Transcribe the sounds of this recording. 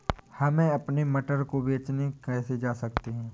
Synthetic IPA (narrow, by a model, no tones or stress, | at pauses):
hɐmẽɐpnemɐʈəɾkobeːt͡ʃnekɛːsed͡ʒaːsɐkt̪eɦɛ̃ː